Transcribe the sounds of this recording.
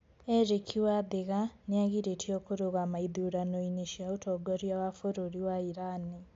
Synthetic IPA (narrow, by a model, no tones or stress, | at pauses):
eɾekʰiwaðeɣaneaɣiɾetʰiokoɾoɣamaiðuɾanoiniʃiaotoɡoɾjawafoɾoɾiwaiɾani